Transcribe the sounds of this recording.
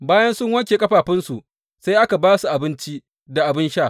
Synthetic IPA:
baː˦jɐ˦nsʊ˦ŋwɐ˦kʲeː˨kʼɐ˦ɸaː˨ɸɪ˦nsu˨ʔ | sa˦jʔa˦ka˨baː˦su˨ʔa˨bɪ˦nt͡ʃi˦ | da˨ʔa˨bɪ˦nʃaː˦˨

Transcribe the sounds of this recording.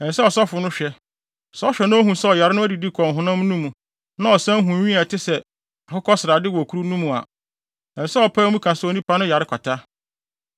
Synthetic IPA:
ɛ˨n̩˨sɛ˦ɔ˨sɔ˦fʊ˨nʊ̃˦ɕᶣɛ˦˨ | sɔ˦ɕᶣɛ˨nʊ̃˦o˦ɦũ˨sɛ˦ɔ˨ja˨ɾɪ˦nʊ̃˦æ˦di˨di˦kʷʰɔ̃˨n˨ɦʊ̃˨nã˦m˦nũ˦mũ˨ | nã˦ɔ˨sã˦ɦũ˨ɲĩ˦a˨tʰɪ˦sɛ˨ | a˨hʊ˦kʰɔ˦sɪ˨ɾa˨dɪ˦wɔ˨kʰu˦ɾu˦nũ˦mũ˨a̰˨ | ɛ̃˨n˨sɛ˦ɔ˨pʰaː˦mũ˦kʰã˨so˨nĩ˦pʰa˦nʊ̃˦ja˨ɾɪ˦kʷʰa˨tʰa˦

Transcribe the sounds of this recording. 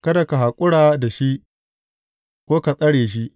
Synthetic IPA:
kɐ˦da˨ka˨ɦa˨kʷʼʊ˦ɽaː˨da˨ʃi˦ʔ | kʷoː˦ka˨sʼɐ˦ɽeː˨ʃ̬i˦ʔ

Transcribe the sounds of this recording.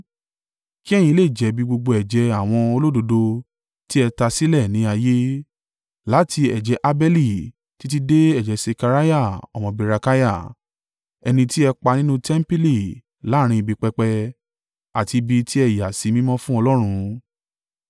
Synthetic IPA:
ki˦ɛ˦˨jĩ˧le˦˨d͡ʒɛ˨˦bi˧ɡ͡bo˧ɡ͡bo˧ɛ˨d͡ʒɛ˧a˦˨w̃ɔ̃˧o˧lo˦do˧do˧ | ti˦ɛ˧ta˧si˦lɛ˦˨nĩ˨˦a˧je˦ | la˨˦tʰi˧ɛ˨d͡ʒɛ˧˦ʔa˧bɛ˦li˦˨ | ti˦t̬i˦de˦ɛ˦˨d͡ʒɛ˨˦se˧ka˧ɾa˦ja˦˨ɔ˨mɔ̃˧bi˧ɾa˧ka˦ja˦˨ | ɛ˧nĩ˧ti˦ɛ˧k͡pa˧nĩ˦nũ˦tɛ˦m˦pi˦li˨ | la˨˦˨ɾ̃ĩ˧i˧bi˧k͡pɛ˧k͡pɛ˧ | a˨ti˧bi˧ti˦ɛ˦˨ja˨si˨˦mĩ˦mɔ̃˦fũ˦ɔ˧lɔ˦ɾ̃ũ˧

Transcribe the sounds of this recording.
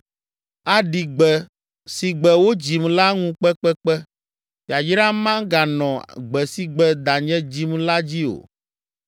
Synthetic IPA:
a˨ɖi˨ɡ͡bɛ˨ | si˨ɡ͡bɛ˨wo˦d͡ʑi˨mla˦ŋũ˦k͡pɛ˦k͡pɛ˦k͡pɛ˦ | fi˨a˨d͡ʒɾã˦mã˦ɡa˨nɔ̃˨ɡ͡bɛ˨si˨ɡ͡bɛ˨d̪a˨ɲɛ̃˦d͡ʑi˦mla˦d͡ʑi˦o̰˨

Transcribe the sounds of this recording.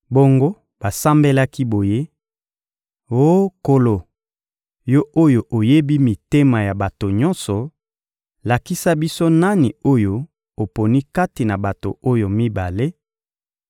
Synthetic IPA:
bo˦ŋɡo˦ | ba˨sa˦mbe˦la˦ki˦bo˨je˦ | o˦ko˨lo˨ | jo˦ʔo˦jo˨ʔo˨je˦bi˦mi˨te˦ma˨ja˨ba˨to˨ɲɔ˦nsɔ˨ | la˨ki˦sa˦bi˦so˦na˦ni˨o˦jo˦ | o˨po˨ni˦ka˦ti˨na˨ba˨to̰˨o˦jo˨mi˦ba˨le˦

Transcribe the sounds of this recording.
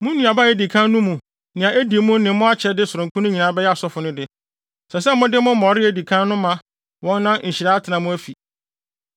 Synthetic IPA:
mʊ̃˦nũ˨a˨ba˦˨e˨di˨kʰã˦nnʊ̃˦mũ˨ | nɪ̃˨ã˨e˦di˨˦mũ˦nɪ̃˨mʊ̃˦a˦t͡ɕʰɛ˦dɪ˦sʊ˨ɾʊ̃˨kʰu˦nʊ̃˦ɲĩ˨nã˨˦bɛ˦jɛ˦a˨sɔ˦fʊ˨nʊ̃˦dɪ˦ | sɛ˨s̬ɛ˦mʊ̃˦dɪ˦mʊ̃˦m̩˦mɔ˨ɾɪ˦æ˨di˨kʰã˦nnʊ̃˦mã˨ | wɔ̃˦nːã˦ɲ̩˨ɕi˨ɾa˦tʰɪ˨nã˨mũ˦æ˦fi˨

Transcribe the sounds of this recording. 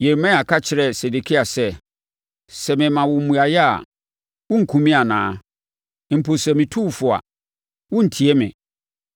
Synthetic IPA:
jɛ˨mɛ̃˦a˨kʰa˦t͡ɕʰɪ˨ɾɛ˨se˨de˨kʰi˦a˨sɛ˦ | sɛ˨mɪ̃˨mã˨wʊ˨m̩˦mũ˨a˨jɛ˦a̰˨ | wʊ̃˦ŋ̩˨kʰũ˨mĩ˦a˨nã̰ː˨˦˨ | m̩˨pʰo˨sɛ˨mɪ̃˨tʰu˦˨fʊ˨a̰˨ | wʊ̃˦n̩˨tʰi˨ɛ˦mɪ̰̃˨

